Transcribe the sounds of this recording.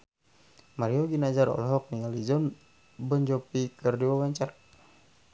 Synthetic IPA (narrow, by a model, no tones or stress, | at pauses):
maɾiɔɡinad͡ʒaɾɔ̰lɦɔk̚niŋalid͡ʒɔn | bɔɲd͡ʒɔpikɨrdiwawaɲt͡ʃak̚